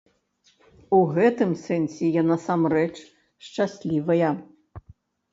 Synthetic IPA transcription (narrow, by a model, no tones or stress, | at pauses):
uɣɛt̪ɨmsɛnsʲɛjanasamrɛt͡ʂ | ʂt͡ʂasʲlʲivɐjɐ